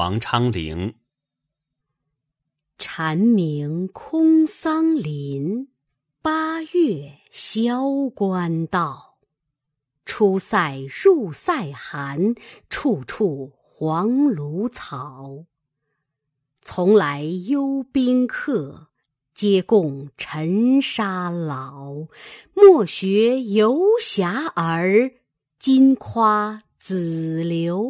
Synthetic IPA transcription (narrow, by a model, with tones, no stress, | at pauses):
ɑ̰˧˥ŋʈ͡ʂʰɑ˥ŋlḭ˧˥˦ŋ | ʈ͡ʂʰa˧˥nmi˧˥ŋkʰʊ˥ŋsɑ˥ŋli˧˥n | pa˥jɛ˥˩ | ɕjɑ˥ʊkwa˥nt̪ɑ˥˩ʊ | ʈ͡ʂʰu˥sa˥˧˩ɪɻu˥˧˩sa˥˩ɪxa˧˥nʈ͡ʂʰu˥˧ʈ͡ʂʰu˥˩ | xwɑ˧˥ŋlu˧˥t͡sʰɑ˨˩ʊ | t͡sʰʊ˧˥ŋla˧˥ɪjo˥ʊpi˥ŋkʰɤ˥˩ | t͡ɕjɛ˥kʊ˥˩ŋʈ͡ʂʰə˧˥nʂa˥lɑ˨˩˦ʊmwɔ˥˩ɕɥɛ˧˥jo˧˥ʊɕja˧˥ʔə˧˥ | t͡ɕi˥nkʰwa˥ | t͡sɹ̩˨˩ljo˧˥ʊ